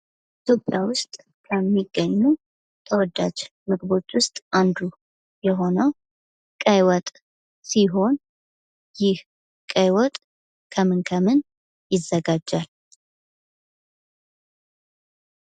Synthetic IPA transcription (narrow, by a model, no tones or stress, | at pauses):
ʔit̪ʰjo̞pʼjawʊst̪ʼ | kʰəmːiɡːəɲːu | t̪ʰəwɔd̪ːad͡ʒ | mɨɡbo̞t͡ʃːwʊst̪ʼʔand̪u | jɛɦo̞nəw | kʼəjwɔt̪ʼ | siɦo̞n | jɪh | kʼəjwɔt̪ʼ | kʰəmɨnkʰəmɨn | jɪzːəɡad͡ʒːal